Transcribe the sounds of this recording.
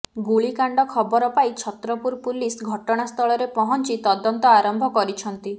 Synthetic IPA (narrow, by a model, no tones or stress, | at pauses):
ɡuɭikaɳɖɔkʰɔbɔɾɔpait͡ʃʰɔt̪ɾɔpuɾpulisɡʱɔʈɔɽ̃ast̪ʰɔɭɔɾepɔɦɔnt͡ʃit̪ɔd̪ɔnt̪ɔaɾɔmbʱɔkɔɾit͡ʃʰɔnt̪i